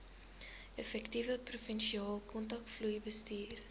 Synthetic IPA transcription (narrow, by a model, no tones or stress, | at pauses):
ɛfɛktivəprufɛnʃiɑːlˠkɔntɐk̚tflujbəstiːr